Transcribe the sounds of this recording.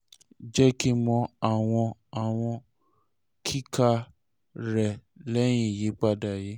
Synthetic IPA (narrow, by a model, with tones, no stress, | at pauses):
d͡ʒɛ˦ki˦mɔ̃˧a˨w̃ɔ̃˧a˨w̃ɔ̃˧ | kʰi˦ka˧ | ɾɛ˨lɛ˦j̃ĩ˦˨ji˨˦k͡pa˦da˦˨je˨˦